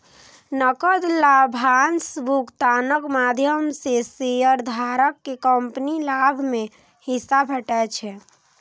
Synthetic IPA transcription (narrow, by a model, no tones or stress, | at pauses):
nəkəd̪labʱansbukt̪anəkmad̪ʱjəmsesejəɾd̪ʱaɾəkːekəmpnilabʱme | hisabʱəʈɛt͡ʃʰɛ